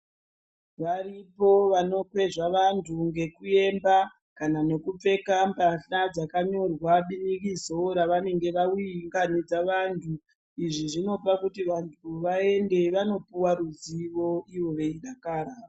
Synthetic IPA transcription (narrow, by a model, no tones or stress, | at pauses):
ʋaripo̞ʋano̞kwe̞ʐaʋantʰuŋɡe̞kue̞mba | kanane̞kup͡fe̞kambaɬad͡zakaɲo̞rwaɓinikizoɾaʋane̞ŋɡe̞ʋawiŋɡanid͡zaʋantʰu | iʐiʐino̞pakutiʋantʰuʋae̞nde̞ʋano̞puwaɾuziʋo̞iʋo̞ʋe̞iɗakaːɾaːa